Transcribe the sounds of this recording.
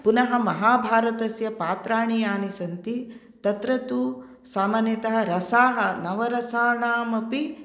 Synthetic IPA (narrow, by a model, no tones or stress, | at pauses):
punɐɦɐmɐɦaːbʱaːɾɐt̪ɐsjɐpaːt̪ɾaːɳijaːnisɐnt̪i | t̪ɐt̪ɾɐt̪u | saːmɐnjɐt̪ɐɦɐ̆ɾɐsaːɦɐnɐʋɐɾɐsaːɳaːmɐpi